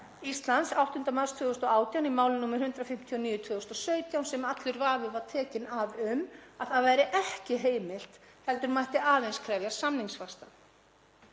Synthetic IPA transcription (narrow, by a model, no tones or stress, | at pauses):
ist̪lant̪sawht̪hʏnt̪amast̪ʰvʏːðɣʏst̪ɔaːwt̪jawnimaːwlɪnːuːmɪɾ̥hʏnt̪ɾafɪm̥t̪ʰiɔniːjʏt̪ʰvʏːðʏst̪ɔsœːɥt̪jawnsɛmat̪lʏɾvaːvɪvaɾ̥t̪ʰɛːcɪnavʏmaθaðvɛjɾɪʔɛhcɪɦeːjmɪl̥t̪hɛlt̪ʏɾmajht̪ɪʔaːðejnskʰɾɛːvjasamniŋsfast̪a